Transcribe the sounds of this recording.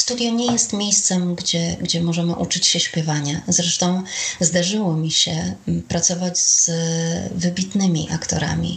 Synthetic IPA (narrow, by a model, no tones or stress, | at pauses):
st̪ud̪ʲjaɲɛjɛst̪mʲjejst̪sɛmɡd͡ʑɛɡd͡ʑɛmɔʐɛmɘʔut͡ʂɘt͡ɕɕɛɕpʲjɛvaɲazɾɛʂt̪ɔ̃w̃zd̪aʐɘwɔmʲiɕɛpɾat̪sɔvad͡ʑz̥ | vɘbʲit̪nɘmʲḭʔakt̪ɔ̰ɾa̰mʲḭ